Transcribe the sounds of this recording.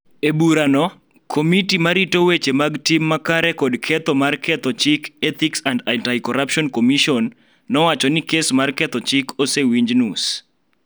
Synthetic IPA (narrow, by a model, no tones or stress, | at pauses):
ebuɾanɔ | kʰomitimaɾitowet͡ʃemaɡtimːakaɾɛkɔdkʰɛt̪ɔmarkɛt̪ɔt͡ʃɪkɛt̪iksandantajkɔɾapʃɔnkomiʃɔnː | ɔwat͡ʃɔnɪkesmarkɛt̪ɔt͡ʃɪkʰosewiɲd͡ʒnus